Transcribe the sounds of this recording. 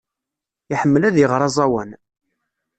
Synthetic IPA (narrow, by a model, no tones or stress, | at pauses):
iħəmːəlæðjəʁɾˤɑzˤɑwən